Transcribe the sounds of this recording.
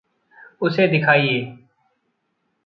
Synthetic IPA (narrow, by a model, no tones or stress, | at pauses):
ʊseːd̪ɪkʰaːiːɦeː